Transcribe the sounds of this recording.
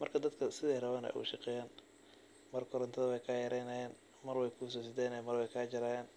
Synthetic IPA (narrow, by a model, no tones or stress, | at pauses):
mɐrkʰɐd̪ɐd̪kʰɐsɪðɛːrɐβaːnɛ̰ʔʊ̰ʃɑqɛːjaːn | mɐrkʰɔɾɐnt̪ʰɐðɐwɛjkʰaːjɐɾɛjnɐjɛːn | mɐrwɛjkʰus̬ɐsɪd̪ɛːnɛmɐrwɛjkʰaːd͡ʒɐɾaːjɛːn